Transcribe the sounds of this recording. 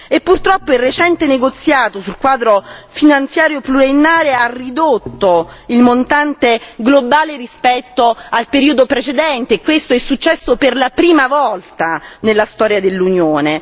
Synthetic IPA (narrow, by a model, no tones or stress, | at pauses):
epːurt̪ɾɔpːoilret͡ʃɛnt̪eneɡot̪sːjaːt̪osulkwaːd̪ɾofinant̪sjaːɾjopluɾenːaːɾearːid̪ot̪ːoilmont̪ant̪eɡlobaːlerispɛt̪ːoalpeɾiːod̪opɾet͡ʃed̪ɛnt̪eːkːwest̪oɛsːut͡ʃːɛsːoperlapɾiːmavɔlt̪anelːast̪ɔːɾjad̪elːunjoːne